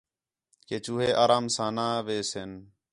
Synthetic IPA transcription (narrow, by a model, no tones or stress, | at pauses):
keːt͡ʃuːɦeːʔaːɾaːmsãːnaːʋeːsen